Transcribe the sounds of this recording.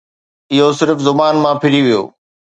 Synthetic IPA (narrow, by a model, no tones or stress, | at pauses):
ɪɦosɪɾfzʊbaːnmãpʰɪɽiʋijo̰ː